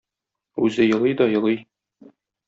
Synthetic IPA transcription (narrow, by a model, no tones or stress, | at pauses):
ʉzɘjɤ̆lˠɤjd̪ɒjɤ̆lˠɤj